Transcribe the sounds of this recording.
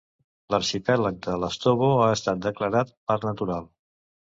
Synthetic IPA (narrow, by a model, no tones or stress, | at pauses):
ləɾʃipɛlək̚d̪ələst̪oβoaəst̪at̪̚d̪əkləɾat̪̚pəɾnət̪uɾalˠ